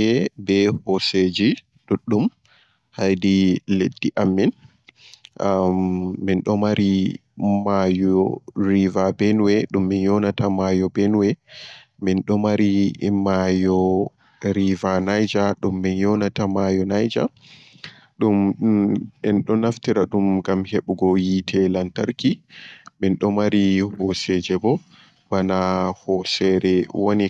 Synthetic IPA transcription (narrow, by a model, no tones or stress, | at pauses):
ɛbɛhɔsed͡ʒi | ɗuɗːum | hajdiledːiʔamːin | inɗɔmaɾi | majɔɾivabɛnwɛɗumːinjɔnatamajɔbɛnwɛ | minɗɔmaɾimajɔ | ɾivanajd͡ʒaɗumːinjɔnatamajɔnajd͡ʒa̰ | ɗum | ɛnɗɔnaftiɾaɗumɡamheɓuɡɔjitʰɛlantaɾkiminɗɔmaɾihɔsɛd͡ʒɛbɔ | banahɔsɛɾɛwoni